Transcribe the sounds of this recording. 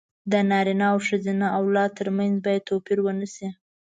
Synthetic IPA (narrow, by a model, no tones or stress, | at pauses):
d̪ənɑɾinɑawʂəzinaʔawlɑt̪əɾmanzbɑjad̪̚t̪ʰopiɾwənəsi